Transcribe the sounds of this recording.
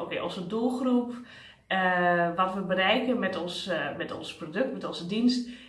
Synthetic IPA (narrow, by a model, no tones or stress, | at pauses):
ʔokḛʔonsədulˠxrup | ʋɔtʋəbəɾɛjkənmɛtɔnsmɛtɔ̰nsprodøk̚tmɛtɔnzədinst̚